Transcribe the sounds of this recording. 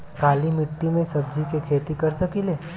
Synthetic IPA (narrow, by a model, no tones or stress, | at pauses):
kaːlimɪʈːimẽsɐbd͡ʒikekʰeːt̪ikɐɾsəkileː